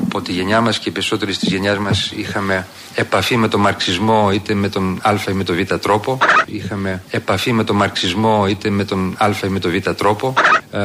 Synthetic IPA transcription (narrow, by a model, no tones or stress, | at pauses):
ɐpo̞t̪iʝe̞ɲɐmɐscepe̞ɾiso̞t̪e̞ɾist̪izʝe̞ɲɐzmɐsixɐme̞ː | pɐfime̞t̪o̞mɐɾksizmo̞it̪e̞me̞t̪onɐlfɐime̞t̪o̞vit̪ɐt̪ɾo̞po̞ixɐme̞ːpɐfime̞t̪o̞mɐɾksizmo̞it̪e̞me̞t̪onlfɐime̞t̪o̞vit̪ɐt̪ɾo̞po̞